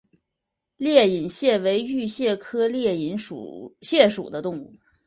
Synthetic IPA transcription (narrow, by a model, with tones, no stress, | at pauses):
ljɛ˥˩i˨˩nɕjɛ˥˩we˧˥ɪy˥˧ɕjɛ˥˩kʰɤ˥ljɛ˥˩i˧˩˥nʂṵ˨˩ɕjɛ˥˩ʂṵ˨˩d̪ə˦t̪ʊ˥˧ŋu˥˩